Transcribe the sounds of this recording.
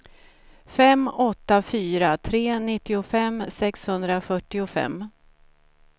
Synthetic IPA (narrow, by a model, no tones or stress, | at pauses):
fɛmːɔt̪ːafyːɾat̪ʰɾeːnɪt̪ːɪʊfɛmsɛkshɵnd̪ɾafœʈːɪʊfɛ̰mː